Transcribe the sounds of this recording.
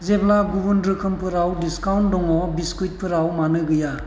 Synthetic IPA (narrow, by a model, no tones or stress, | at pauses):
zeblaɡubɯndɾɯkʰɯmpʰɯɾawdiskawndɔŋɔbiskujt̚pʰɯɾawmanɯɡɯja